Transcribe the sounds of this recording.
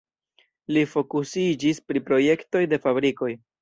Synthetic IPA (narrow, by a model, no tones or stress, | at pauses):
lifo̞kusid͡ʒispɾipɾo̞je̞kto̞jde̞fabɾiko̞j